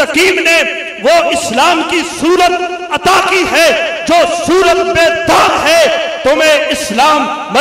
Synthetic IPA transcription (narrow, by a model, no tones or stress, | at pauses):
ɐkiːmne | ʋoʔɪslaːmkisuːɾət̪̚ | ɐt̪aːkiɦɛːd͡ʒoːsuːɾət̪beːd̪aːɾɦɛːt̪omẽɪslaːmː | ɐ